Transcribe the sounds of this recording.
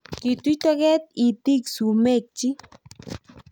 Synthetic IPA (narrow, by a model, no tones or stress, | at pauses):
kit̪ujt̪aɣet̪̚it̪iksumek̚t͡ʃi